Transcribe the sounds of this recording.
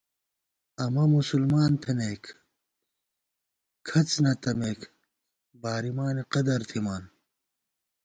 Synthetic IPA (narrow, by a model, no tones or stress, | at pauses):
ɐmɐmusulmaːnt̪ʰeneːkʰ | kʰɐt͡snɐt̪ɐmeːk | baːɾimaːniqɐd̪ɐɾt̪ʰimaːn